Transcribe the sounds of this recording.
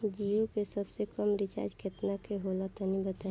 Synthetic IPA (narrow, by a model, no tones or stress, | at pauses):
d͡ʒiokesəbsekəmɾɪt͡ʃa̰ːd͡ʒkʰet̪nakeɦoːlat̪anĩbət̪a